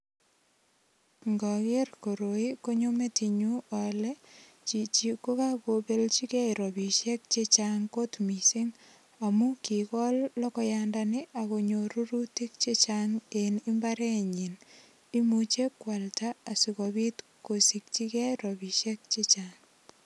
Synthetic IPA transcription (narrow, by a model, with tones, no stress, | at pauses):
ŋɡɔke˦rko˨ɾoi˦ko˦ɲo˦me˦ti˨ɲuɔ˨lɛ˦ | t͡ʃi˨t͡ʃi˨ko˦ka˦kobe˦lt͡ʃi˦kɛ˦jɾobi˨ʃɛk̚t͡ʃe˦t͡ʃaŋko˦tmi˨si˦ŋ | a˨mu˦ki˨kɔ˦lːɔ˦kɔ˦jandanɪ˦ʔa˨ko˨ɲoɾu˦ɾuti˦k̚t͡ʃe˦t͡ʃaŋeni˦mbaɾɛ˦ɲi˨n | i˦mut͡ʃe˦kwa˨ltaː˨si˨kɔbi˦t | ko˨sik̚t͡ʃi˦kɛ˦jɾɔbi˨ʃɛ˦k̚t͡ʃe˦t͡ʃaŋ